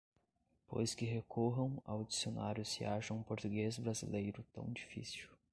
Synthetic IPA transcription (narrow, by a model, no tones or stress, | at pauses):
po̰jskɪɦekʰoɦɐ̃w̃a̰wd͡ʒisionaɾjʊsɪ̰aʃɐ̃ũpoɾt̪uɡezbɾazḭlejɾʊt̪ɐ̰̃w̃d͡ʒifḭsiw